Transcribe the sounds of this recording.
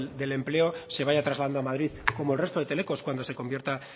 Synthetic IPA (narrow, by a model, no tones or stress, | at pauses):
d̪e̞le̞mple̞o̞se̞βaʝat̪ɾazlaðand̪oamað̞ɾiðko̞moelre̞st̪oðe̞t̪e̞le̞ko̞skwand̪ose̞ko̞mbjeɾt̪a